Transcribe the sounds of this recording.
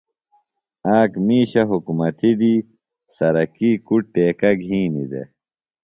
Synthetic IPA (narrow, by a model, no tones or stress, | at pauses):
aːkmiːɕɐɦukumɐt̪id̪i | sɐɾɐkiːkuʈ̚ʈːeːkɐɡʱĩːnḭd̪ḛ